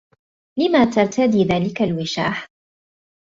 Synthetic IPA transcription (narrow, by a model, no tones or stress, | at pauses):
lɪmat̪aɾˤt̪ad̪iːðaːlɪkalwɪʃa̰ːħ